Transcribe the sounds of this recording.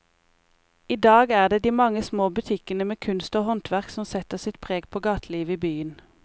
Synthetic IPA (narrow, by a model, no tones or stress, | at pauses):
iːd̪ɑːɡæːʁd̪eːd̪iːmɑŋəsmoːbʉt̪ʰɪkənəmeːkʰʉnst̪oːhɔnt̪ʰʋæʁksɔmsɛt̪əʁsɪt̪pʰʁeːɡpʰoːɡɑːt̪ʰliːʋəiːbyːən